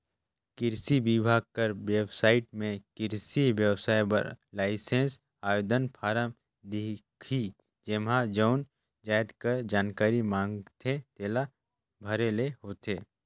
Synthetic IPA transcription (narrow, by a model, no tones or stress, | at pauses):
kɪɾsibibʱaːɡ̚kəɾbeːbsaːɪʈ̚mẽkɪɾsiʋjəwsaːjbə̰ɾlaːɪsẽns | aːjoːd̪ənpʰaːɾəm | d̪ikʰi | d͡ʒemɦãd͡ʒəʊn | d͡ʒaːjd̪kəɾd͡ʒaːnkaːɾimãːŋɡt̪ʰẽt̪eːla | bʱəɾeleɦoːt̪eː